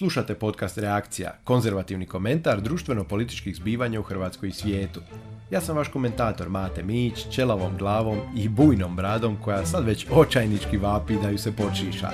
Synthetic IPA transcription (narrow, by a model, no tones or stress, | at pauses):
slˠuʃat̪e̞po̞t̪kast̪ɾeakt̪sija̰ko̞nze̞ɾʋat̪iʋniko̞me̞nt̪aɾd̪ɾuːʃt̪ʋe̞no̞po̞lit̪i̥t͡ʃkiɣzbiːʋaɲauxr̩ʋaːt̪sko̞jisʋje̞ːt̪u̥jaːsamʋaʃko̞me̞nt̪aːt̪o̞ɾmaːt̪e̞miːt͡ɕt͡ɕe̞laʋo̞mɡlˠaːʋo̞mibuːjno̞mbɾaːd̪o̞mko̞jasad̪ʋe̞t͡ɕo̞t͡ʃajnit͡ʃkiʋaːpid̪ajuse̞po̞t͡ʃiːʃa̰